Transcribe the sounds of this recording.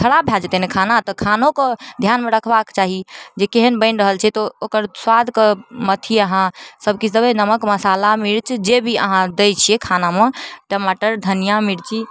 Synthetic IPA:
kʰəɽabʱjald͡ʒet̪enekʰanat̪ɔkʰanõkɔd̪ʱjanmeɾəkʰbakt͡ʃaɦid͡ʒekeɦənbə̃ɪnɾəɦəlt͡ʃʰɛt̪ɔokəɾswad̪ʱkemət̪ʰiəɦãsəb̚ʱkisəbenəməkməsalamiɽt͡ʃʰd͡ʒebʱiə̰ɦãd̪ejt͡ʃʰiekʰanameʈəmaʈəɾd̪ʱənijamiɽt͡ʃʰi

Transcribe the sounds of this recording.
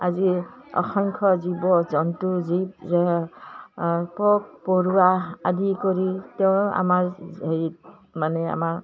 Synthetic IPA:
azi | ɔ̰xʰɔŋkʰɔzibɔzɔntuziz | pɔk̚pɔɹuaad̪ʱikɔɹiteʊ̃a̰maɹej | manɛa̰maɹ

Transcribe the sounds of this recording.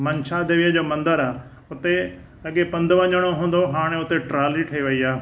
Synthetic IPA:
mɐɲʃaːd̪eːʋiəd͡ʑoːmɐ̃nd̪əɾaː | ʊt̪e | ɐɠepɐ̃nd̪ʱʋɐ̃ɲəɽ̃oɦũːn̆d̪oɦaːɽ̃eʊt̪eʈɾaːliʈʰɐiʋɐiaː

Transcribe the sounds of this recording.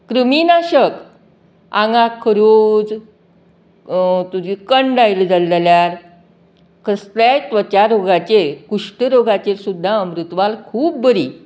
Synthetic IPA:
kɾəminaɕək | ã̰ŋɡakʰəɾod͡z | t̪ud͡ʑikəɳɖajld͡zald͡zaljaɾ | kəst̪jajt̪ʋət͡ɕjaɾoɡat͡ɕekuʂʈəɾoɡat͡ɕesud̪ʱːaəmɾut̪ʋalkʰuːb̚bəɾi

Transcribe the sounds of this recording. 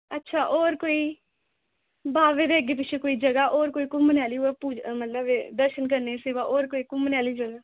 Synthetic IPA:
ətːʃʰaːʔoːɾkoːiː | baːʋeːd̪eəɡep̬ɪt͡ʃʰekoːiːd͡ʒəɡaːʔoːɾkoːiːkʊmːənjaːliːɦuɛpuːd͡ʒmət̪ləbed̪əɾʃənk̬əɾneseʋaʔoːɾkoːiːkʊmːənjaːliːd͡ʒəɡaː

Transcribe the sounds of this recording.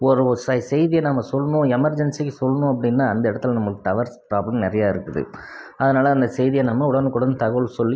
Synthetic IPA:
ɔɾɯsɐsɛjðijɐnɐmːɐsɔlːɐnʊ̃ɛmɐɾd͡ʒɛnsikːɯsɔlːɐnʊ̃ɐp̬ːɐɽɪnːaːɐnd̪ɐɪɽɐt̪ːɪlnɐmːɐɭɯkːɯt̪ɐʋɐɾspɾaːblɐmnɪɾɐjaːɪɾɯkːɯðɯ̰ | ɐðɯnaːlɐːnd̪ɐsɛjðɪjɐnɐmːɐʊɽɐnkːʊɽɐnd̪ɯt̪ɐɣɐɭsɔlːi

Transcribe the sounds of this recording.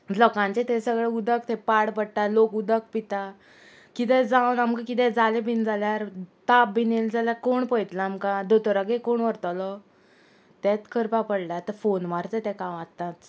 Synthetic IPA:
lɔkãɲt͡ɕet̪esəɡɭeud̪ək̚t̪ɛpaɽpəɽʈalokud̪ək̚pit̪a | kit̪ɛ̃d͡zawnamkakit̪̬ɛ̃d͡zalebʱind͡zaljaɾt̪ap̚bineld͡zaljakoɳpəjt̪laːmkad̪ot̪ɔɾaɡekoɳʋəɾt̪alɔ | t̪ɛ̃t̪kʰəɾpapəɽlat̪əɾfonmaɾt͡sət̪ɛ̃kãʋat̪ːat̪̚

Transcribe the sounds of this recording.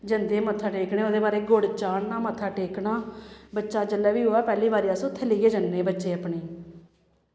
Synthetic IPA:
d͡ʒənd̪eːmət̪ʰːaːʈeːknẽːoːd̪eːbaːɾeːɡʊɽt͡ʃaːɳnaːmət̪ʰːaːʈeːkɳaːbətːʃaːd͡ʒəlːɛːʋiːɦoːɛːpɛːliːbaːɾiːasʊt̪ʰːeːliːɡeːd͡ʒənːeːbətːʃeːəpɳeː

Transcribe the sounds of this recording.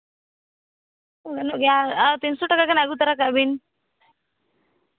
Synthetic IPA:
oɡnoɡat̪insoʈɐkakanaɡut̪ɐɾakabin

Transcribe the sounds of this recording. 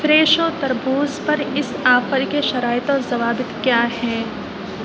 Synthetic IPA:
fɾeːʃoːt̪ɐɾbuːzpɐɾɪsaːfəɾkeʃɐɾaːɪt̪ozɐʋaːbɪt̪kjaːɦɛː

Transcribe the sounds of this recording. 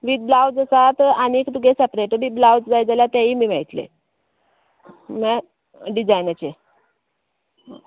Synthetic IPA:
ʋiːd̪̚blawd͡zəsat̪anikd̪uɡesɛpɾeʈəbiblawd͡zd͡zajd͡zalat̪aɦiːmiːmaɭit̪lḛ | ma | ɖid͡zajnət͡ɕe

